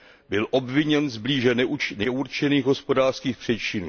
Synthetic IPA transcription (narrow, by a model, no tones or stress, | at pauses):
bɪlʔo̞bvɪɲɛnzbliːʒɛnɛʔuɾt͡ʃɛniːɣɦo̞spo̞daːr̥skiːxpr̝̥ɛt͡ʃɪnuː